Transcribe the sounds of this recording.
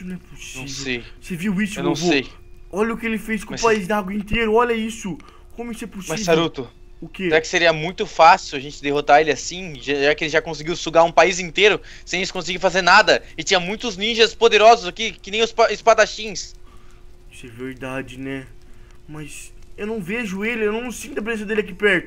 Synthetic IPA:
ʊñɛposɐ̃iw̃sejseviwisʊewnɐ̃w̃sej | ɔʎɐʊkɪelɪfejskõmpaizd̪aɡwɐĩnt̪eɾʊɔʎɐisʊ | kõmʊisʊɛposmɐsisvsaɾut̪ʊ | ʊkeeɾakɪ̥seɾiɐmũj̃t̪ʊfasiwaʒẽnt͡ʃɪd̪eɦot̪aelɪasĩʒaʒakɪelɪʒakõsɪɡiwsuɡaũpaizĩnt̪eɾʊ | sẽẽt͡ʃɪ̥kõsɪɡifazeɾnad̪ɐɪt͡ʃĩɲɐmũj̃t̪ʊznĩʒɐspod̪eɾɔzʊzakikɪnẽj̃ʊspaspat̪aʃĩs | isɛveɾd̪ad͡ʒɪnɛ | mɐsewnɐ̃w̃veʒʊelɪewnɐ̃w̃ñsĩt̪ʊɐpɾezẽsɐd̪elɪak̬ipɛɾt̪ʊ

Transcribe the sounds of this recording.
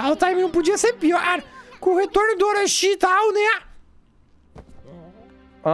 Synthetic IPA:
alt̪amɐ̃pod͡ʒiɐseɾpiɔɾkõhet̪oɾnʊd̪oɾɐʃit̪awnɛ

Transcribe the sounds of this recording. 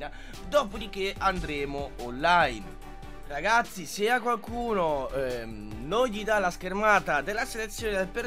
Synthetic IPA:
na | d̪ɔːpod̪ik̟ːeand̪ɾeːmʊonːajn | raɡat̪sːiseakːwalkuːno | noʎːid̪alaskermaːt̪ad̪elːaselet̪sːjoːned̪elpe

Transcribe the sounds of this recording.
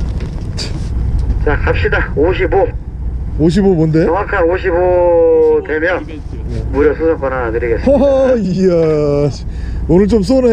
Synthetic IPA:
t͡ɕ | t͡ɕakap̚ɕ͈idaoɕʰibo | oɕ̬ʰibomonde̞ʌŋakʰanoɕʰibo | twe̞mjʌn | muɾjʌsʰosʰak͈ʌnatɯɾiɡes͈ | a | onɯɭt͡ɕoms̬͈one

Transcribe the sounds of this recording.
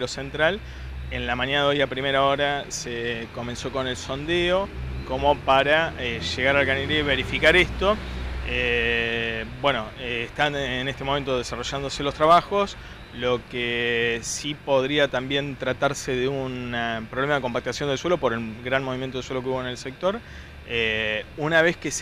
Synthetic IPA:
ɾose̞nt̪ɾal | enlamãɲjanaðeo̞japɾime̞ɾao̞ɾaseko̞mẽ̞nso̞ko̞ne̞lso̞nd̪e̞o̞ko̞mo̞paɾaeʒeɣaɾalɣaniɾeβe̞ɾifikaɾest̪o̞e | bwe̞no̞ːht̪aenest̪emoment̪oð̞esaro̞ʒand̪o̞se̞lo̞st̪ɾaβaxo̞s | lo̞kesipo̞ðɾiat̪ambje̞nt̪ɾat̪aɾse̞ðeunapɾoβlemaðeko̞mpak̚t̪asjo̞nd̪eswelopo̞ɾelɣɾanmo̞βimjent̪oeswelokeuβoene̞lse̞k̚t̪o̞ɾ | eunaβ̞e̞skes

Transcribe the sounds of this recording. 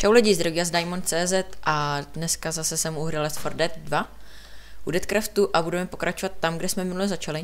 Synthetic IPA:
ʃawlɛɟizd̪ɾoɡiazdajmont͡sɛːzɛt̪ʔadnɛskazasɛsɛmuuɦɾɪlɛsfoɾdɛt̪dva | ʔudɛt̪kɾəft̪uʔabudɛmɛpo̞kɾʔat͡ʃovat̪ːamɡdɛsmɛmɪnulɛzat͡ʃalɪ

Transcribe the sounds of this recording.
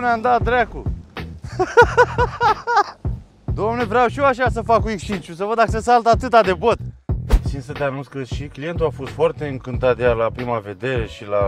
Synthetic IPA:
neamd̪at̚d̪ɾaku | d̪oamnevɾeawʃioaʃasəfakuekst͡ʃint͡ʃus̬əvəd̪ːakəses̬alt̪əat̪ɨt̪ad̪e̞bot̪sinsət̪eanunsʲkəʃiklije̞nt̪uafo̞st̪foart̪e̞ɨŋkɨnt̪at̪̚d̪ejalapɾimave̞d̪eʃila

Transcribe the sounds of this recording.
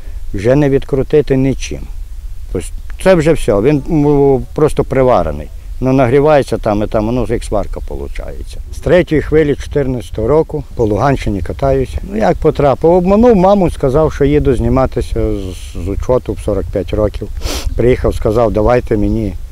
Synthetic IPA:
wʒɛnɛʋʲid̪kɾʊt̪ɪt̪ɪnɪt͡ʃɪ̰mt̪ɔsʲt̪sɛwʒɛwsʲɔʋʲinpɾɔst̪ɔpɾeʋɑɾɐ̰nɪ̰j | nɔnɐɦɾʲiʋɑjet͡sʲːɐt̪ɑmɪt̪ɑmɔnɔzɪksʋɑ̰rkɐpɔ̰lˠʊ̰t͡ʃɑ̰jḛt͡sʲːɐ̥st̪ɾɛtʲʊjixʋɪlʲit͡ʃɔ̥t̪ɪrnɐsʲt̪ɔɦɔɾɔkʊpɔlˠʊɦɑnʲt͡ʃɪnʲikɐt̪ɑjʊsʲnʊjɐk̚pɔt̪ɾɑpɪwɔbmɔnuwmɑmʊskɐzɑwʃt͡ʃɔjid̪ʊzʲnʲimɑt̪ɪsʲɐ | zʊt͡ʃɔt̪ʊwsɔɾɐk̚pʲjatʲɾɔkʲiwpɾɪjixɐwskɐzɑwd̪ɐʋɑjt̪emenʲi

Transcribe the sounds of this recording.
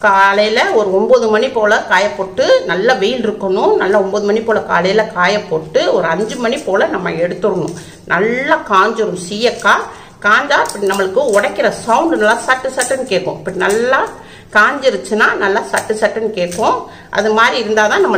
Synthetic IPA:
kaːlɐjɪlɐɔɾɯɔmboːðɯmɐɳipoːlɐkaːjɐpːoːʈːɯnɐlːaʋɛjɪlɪɾɯkːɐɳʊ̃nɐlːaɔmboːðɯmɐɳipːoːlɐka̰ːlɐjɪlɐkaːjɐpːoːʈːɯɔɾɯɐɲd͡ʒɯmɐɳipoːlɐnɐmːɐ̰ɛɽɯt̪ːɯɾɐɳʊ̰̃ | nɐlːaːkaːɲd͡ʒɐɾɯmsijɐkːaː | kaːɲd͡ʒaːɪpːɐɽinɐmːɐɭɯkːɯɔɽɐkːɪɾɐsɐwʊɳɖnɐlːaːsɐʈːɯsɐʈːɐnkeːʈkːõ̰ɪpːɐɽinɐlːaː | kaːɲd͡ʒɪɾɯt͡ʃːɯnaːnɐlːaːsɐʈːɯsɐʈːɐnkeːʈːõː | ʔɐ̰ðɯmaːd̪ɾiɪɾɯnd̪aːt̪ãːnɐmːɐ

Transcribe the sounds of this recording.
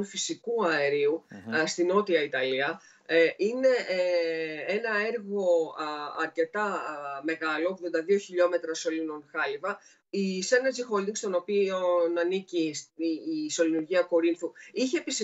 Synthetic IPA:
nfisikuɐeɾiust̪ino̞t̪iɐit̪ɐliɐ | ʔine̞ | e̞nɐe̞ɾɣo̞ɐɾce̞t̪ɐme̞ɣɐlo̞ːɣðo̞nd̪ɐðio̞çiʎo̞me̞t̪ɾɐso̞lino̞nxɐlivɐ | isɐneɾzixo̞ld̪iŋɡst̪o̞no̞pionɐniciː | so̞linuɾʝiɐko̞ɾinθuiçe̞ːpisi

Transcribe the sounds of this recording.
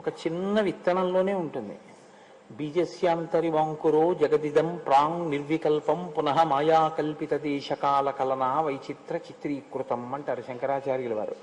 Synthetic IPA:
ɔkɐt͡ʃinːɐʋit̪ːɐɳɐmlo̞ːne̞ːuɳʈund̪ḭ | biːd͡ʒeːsjaːnt̪ɐɾiʋaːŋkuɾoːd͡ʒɐɡɐd̪id̪ɐmpɾaːŋniɾʋikɐlpɐmpunɐɦɐmaːjaːkɐlpit̪ɐd̪ɛːʂɐkaːlɐkɐlɐnaːʋɐjt͡ʃit̪ɾɐt͡ʃit̪ɾiːkɾut̪ɐmɐɳʈaɐːɾuʃɐŋkɐɾaːt͡ʃaːɾjulɐʋa̰ːɾṵ

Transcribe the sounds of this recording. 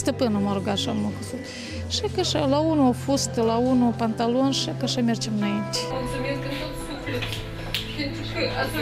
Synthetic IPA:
st̪əpɨnumoɾoɡaʃamokəsut̪ | ʃakaʃalaunufust̪əlaunupant̪alonʃakaʃamʲert͡ʃemɨnaint̪ʲe̥mulsumeskət̪ot̪suflʲet̪

